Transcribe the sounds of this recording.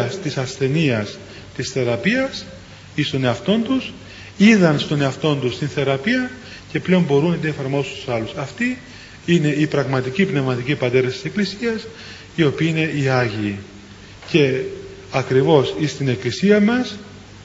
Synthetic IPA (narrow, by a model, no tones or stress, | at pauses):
ɐst̪isɐsθe̞niɐs | t̪isθe̞ɾɐpiɐs | ist̪o̞ne̞ɐft̪o̞nt̪us | iðɐnst̪o̞ne̞ɐft̪o̞nt̪ust̪inθe̞ɾɐpiɐ | ce̞ple̞o̞mbo̞ɾunɐt̪iefɐɾmo̞sust̪u̥sɐlusɐft̪i | ine̞ipɾɐɣmɐt̪icipne̞vmɐt̪icipɐt̪e̞ɾɐst̪ise̞klisiɐs | io̞piine̞iɐʝiː | ce̞ | ɐkɾivo̞sist̪ine̞klisiɐmɐs